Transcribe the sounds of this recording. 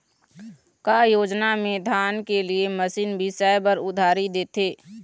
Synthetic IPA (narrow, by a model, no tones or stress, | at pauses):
kajoːd͡ʒnamẽd̪ʱaːnkelieməsiːnbʱisɛːbəɾʊd̪ʱaːɾid̪eːt̪ʰeː